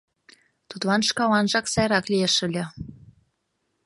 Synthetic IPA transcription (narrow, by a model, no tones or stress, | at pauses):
t̪ut̪lɑnʃkɑlɑnʒɑksɑjɾɑklieʃəlʲə̆